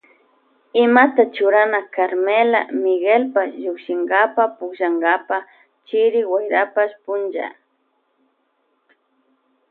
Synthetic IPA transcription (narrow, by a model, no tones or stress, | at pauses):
ɪmat̪at͡ʃʊɾanakaɾmela̰mɪɡelpasʒʊkʃɪŋɡapapʊʃaŋɡapa | t͡ʃɪɾɪwajɾapaʃpʊnd͡ʒa̰